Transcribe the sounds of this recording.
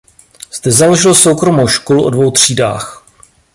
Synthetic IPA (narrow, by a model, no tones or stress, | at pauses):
z̥d̪ɛzalo̞ʒɪloso̞wkɾo̞mowʃkoluʔo̞dvo̞wt̪r̝̥iːda̰ːx